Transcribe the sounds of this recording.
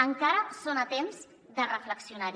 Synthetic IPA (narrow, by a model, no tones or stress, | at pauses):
əŋkaɾəsonat̪emz | d̪ərəfləksiunaɾ